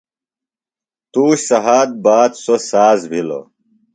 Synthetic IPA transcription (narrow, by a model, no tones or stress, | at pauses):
t̪uːɕsɐɦaːd̪̚baːd̪sosaːzbʱilo̰